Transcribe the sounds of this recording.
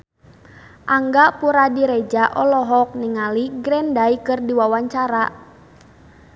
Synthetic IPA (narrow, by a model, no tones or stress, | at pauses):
ʔaŋɡapuɾadiɾɛd͡ʒaʔɔlɔɦɔk̚niŋaliɡɾɛndaikɨrdiwawaɲt͡ʃaɾa